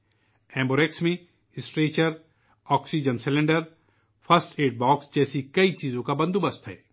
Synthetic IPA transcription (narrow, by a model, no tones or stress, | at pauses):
ɛ̃ːmboɾeksmẽ | ɪsʈɾeːt͡ʃəɾ | ɔːksid͡ʒənsɪlẽɳɖəɾ | pʰɐsʈeːʈ̚bɔːksd͡ʒɛːsikɐit͡ʃiːzõkabɐ̃nd̪ubɐst̪ɦɛ̰ː